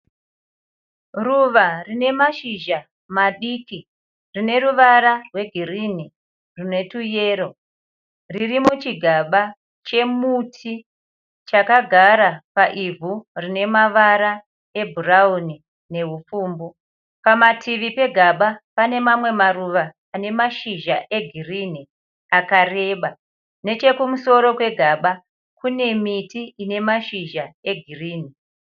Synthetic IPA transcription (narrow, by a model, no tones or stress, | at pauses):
ruʋarine̞maʃiʒa | maɗiki | rine̞ruʋaɾarwe̞ɡʱirini | rine̞tuje̞ːɾo̞ | ririmut͡ʃiɡʱaɓa | t͡ʃe̞mutʰi | t͡ʃakaɡʱaɾapaʔivʱurine̞maʋaɾa | e̞bʱurauni | ne̞ɦufuːmbo | pamatʰiʋipe̞ɡʱaɓapane̞mamwe̞maruʋaː | ne̞maʃiʒaʔe̞ɡʱirini | akare̞ːɓa | ne̞t͡ʃe̞kumuso̞ɾo̞kwe̞ɡʱaɓa | kune̞mitiʔine̞maʃiʒae̞ɡʱiriːni